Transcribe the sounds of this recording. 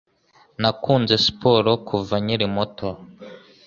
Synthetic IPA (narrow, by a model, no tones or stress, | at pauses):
nakʰuːnze̞si̥poɾokʰuvaɲiɾimotʰo